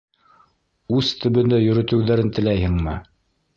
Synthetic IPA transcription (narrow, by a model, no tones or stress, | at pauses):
ʉðt̪ʰɵ̆βɘ̆nd̪æjɵ̆ɾɵ̆t̪ɘ̆wðæɾɘnt̪ɘ̆læjhɘŋmɘ